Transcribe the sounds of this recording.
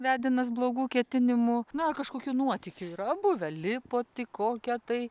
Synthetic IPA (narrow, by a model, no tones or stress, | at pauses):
ʋʲæːd̪ʲɪnɐsblˠoːɡuːkʲiɛt̪ʲɪnʲɪmʊnʊɐrkɐʃkoːkʲuːnuɔt̪ʲɪkʲʊiɾɐɐbʊʋʲɛlʲɪpoːt̪ʲɪkoːkʲɛt̪ɐɪ